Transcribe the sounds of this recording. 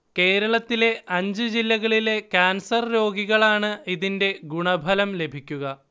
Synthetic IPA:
ke̞ːɾɐɭɐt̪ːile̞ʔɐɲd͡ʑɨd͡ʑilːɐɣɐɭile̞kaːnsɐrɾo̞ːɡiɣɐɭaːɳɨiðinde̞ɡuɳɐbʱɐlɐmle̞bʱikʲːuɣɐ

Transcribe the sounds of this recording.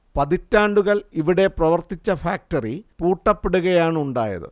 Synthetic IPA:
pɐðitːaːɳɖuɣɐɭiʋiɽe̞prɐʋɐrt̪it͡ɕːɐfaːk̚ʈɐripuːʈːɐpːeɽuɣɐjaːɳɨuɳɖa̰ːjɐ̰ðɨ̰

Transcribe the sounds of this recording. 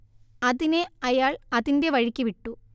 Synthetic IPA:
ɐðineɐjaːɭɐðinde̞ʋɐɻikʲːiʋiʈːu

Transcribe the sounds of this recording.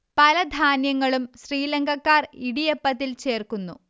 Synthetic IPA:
pɐlɐd̪ʱaːnjɐŋːɐɭumɕriːleŋɡʱɐkːaːriɽijepːɐt̪ːilt͡ɕe̞ːrkunːṵ

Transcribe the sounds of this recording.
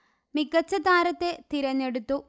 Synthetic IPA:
mikːɐt͡ɕːɐd̪ʱaːɾɐt̪ːe̞t̪iɾɐnːeɽut̪ːu

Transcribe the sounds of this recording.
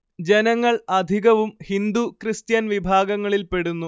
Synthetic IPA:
d͡ʑe̞nɐŋːɐɭɐd̪ʱiɣɐʋumhind̪ukrɨst̪jɐnʋibʱaːɡɐŋːɐɭilpe̞ɽunːu

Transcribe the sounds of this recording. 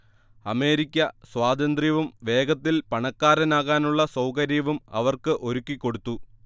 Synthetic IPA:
ɐme̞ːɾikʲːɐswaːd̪ɐnd̪rijɐʋumʋe̞ːɡɐt̪ːilpɐɳɐkːaːɾɐnaːɣaːnuɭːɐsɐwkɐɾijɐʋumɐ̰ʋɐrkɨʔo̞ɾukːikːo̞ɽut̪ːu

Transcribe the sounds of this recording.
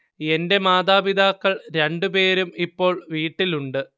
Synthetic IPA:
e̞nde̞maːd̪aːbid̪aːkːɐɭɾe̞ɳɖupe̞ːɾumipːo̞ːɭʋiːʈːiluɳɖɨ

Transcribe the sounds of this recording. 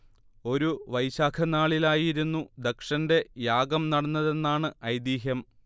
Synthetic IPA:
o̞ɾuʋɐjɕaːkʰɐnaːɭilaːjiɾunːud̪ekʂɐnde̞jaːɡɐmnɐɽɐnːɐðe̞nːaːɳɨɐjd̪iːɦjɐm

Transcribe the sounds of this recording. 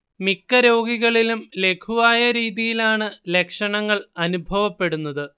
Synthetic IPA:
mikːɐɾo̞ːɡiɣɐɭilumle̞kʰuʋaːjɐɾiːðijilaːɳɨle̞kʂɐɳɐŋːɐɭɐnubʱɐʋɐpːe̞ɽunːɐðɨ

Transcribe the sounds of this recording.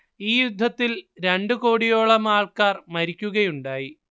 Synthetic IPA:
iːjud̪ʱːɐt̪ːilɾe̞ɳɖɨkoːɽijo̞ːɭɐmaːɭkaːrmɐɾikʲːuɣɐjuɳɖaːji

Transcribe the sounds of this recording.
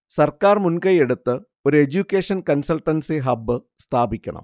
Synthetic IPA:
sɐrkaːrmunkɐjeɽut̪ːɨ | o̞ɾued͡ʑukʲːeːʂɐnkɐnsɐlʈːɐnseɦɐbːɨ | st̪ʰaːbikʲːɐɳɐ̰m

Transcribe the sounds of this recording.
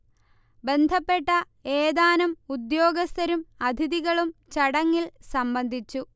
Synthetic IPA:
be̞nd̪ʱɐpːe̞ʈːɐ | eːd̪aːnɐmud̪jo̞ːɡɐst̪ɐɾumɐd̪ʱiðiɣɐɭumt͡ɕɐɽɐŋːilsɐmbɐnd̪ʱit͡ɕːu

